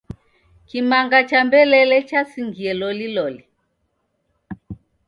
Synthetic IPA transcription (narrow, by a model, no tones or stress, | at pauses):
kimaŋɡat͡ʃambɛlɛlɛt͡ʃasiŋɡiɛlɔlilɔli